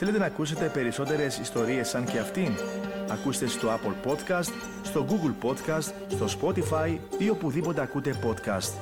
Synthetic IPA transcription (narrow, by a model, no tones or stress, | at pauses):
θele̞t̪̬e̞nɐːkuse̞t̪e̞pe̞ɾiso̞t̪e̞ɾe̞sist̪o̞ɾie̞sɐɲce̞ɐft̪inɐkust̪e̞st̪o̞apolpo̞t̪kɐst̪ | st̪o̞ɡuɡlpo̞t̪kɐst̪ | st̪o̞spo̞t̪ifɐjio̞puðipo̞t̪e̞ɐkut̪e̞po̞t̪kɐ̰st̪